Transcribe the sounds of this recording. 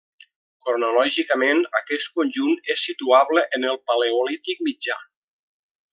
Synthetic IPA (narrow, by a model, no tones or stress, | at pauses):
koɾnolɔʒikəmenəkɛst̪̚konʲʒunesːit̪uaβləʔənəlˠpaleolit̪ik̚mid͡ʒa